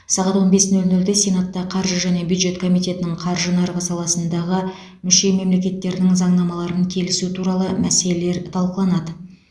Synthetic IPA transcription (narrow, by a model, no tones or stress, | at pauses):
sɑʁɑt̪wo̞nbe̞snɵlnɵld̪esʲenat̪ːɑqʰɑɾʒəʒæne̞bjud̪ʒe̞t̪kʰo̞mijt̪ʲe̞t̪ɪnɪɴqʰɑɾʒənɑɾʁəsɑlˠɑsənd̪ɑʁə | mʏʃe̞me̞mle̞kʲe̞t̪ːe̞ɾɪnɪŋzɑɴnɑmɑlˠɑɾəŋkʲʰe̞lɪsut̪ʰuɾɑlˠəmæse̞le̞le̞ɾt̪ʰɑlˠqəlˠɑnɑd̪ə